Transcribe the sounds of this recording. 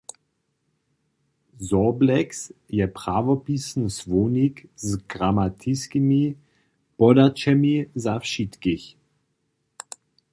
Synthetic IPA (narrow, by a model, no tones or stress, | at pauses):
zɔblɛksjɛpʁavɔpisn̩svoːnikzɡʁamat̪ʰiskimi | b̥ɔdat͡ʃɛmizafʃit̪kiç